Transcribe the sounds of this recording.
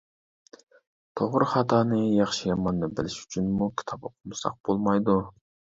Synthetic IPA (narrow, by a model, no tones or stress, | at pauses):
t̪ʰoʁɾɨχɑt̪ʰɑːnɨjɑχʃijɑmɑnd̪ɑbɪlɪʃy̥t͡ʃʰynmukʲʰi̥t̪ʰɑpəqʊlsɑ̰q̚b̥olˠmɑjd̪u